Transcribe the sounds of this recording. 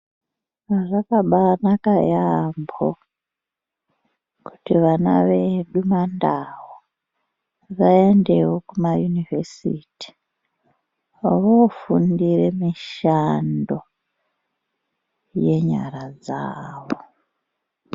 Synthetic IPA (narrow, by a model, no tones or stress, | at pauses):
rakaɓanakajambo | ku̥tiʋana̰ʋe̞ɗumandawo | ʋae̞nde̞wo̞kumajunivesḭːti̥ | ʋofundiremiʃando̞ | je̞ɲa̰ɾad͡zaːʋo